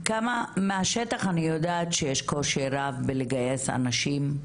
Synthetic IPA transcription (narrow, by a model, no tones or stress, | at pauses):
kamameaʃetaχanijodaːt̪ʃejeʃkoʃiɾavbeleɡajesa̰naʃim